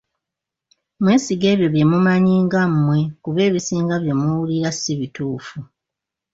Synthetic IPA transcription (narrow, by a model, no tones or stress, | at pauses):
mweːsiɡe̞ːβjo̞βje̞mumaɲiːŋɡammːwe̞kuβe̞ːβisiːŋɡaβje̞muwuliɾasiβituːfu